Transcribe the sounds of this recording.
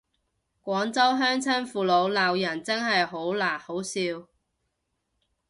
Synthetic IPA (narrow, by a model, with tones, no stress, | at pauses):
kʷɔː˨˥ŋt͡sɐ˥wɦœː˥ŋt͡sʰɐ˥nfuː˨lo˨˧wlaː˨wjɐ˨˩nt͡sɐ˥ŋɦɐ˨jɦo˨˥wlaː˨˩ho˨˥wsiː˧w